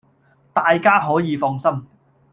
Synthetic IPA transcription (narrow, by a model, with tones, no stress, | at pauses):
t̪aː˨jkaː˥ɦɔː˨˥jiː˨˧fɔː˧ŋsɐ˥m